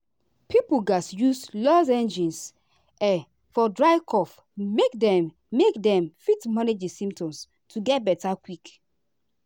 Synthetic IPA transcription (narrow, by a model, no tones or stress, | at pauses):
pʰipuɡasjuslɔzɛ̃nd͡ʒĩns | ɛ | fɔdɹaɪkʰɔf | mekdɛ̃mː | ekdɛ̃mfitmaned͡ʒisĩmtɔ̃ms | tʰuɡɛt̚bɛtakwik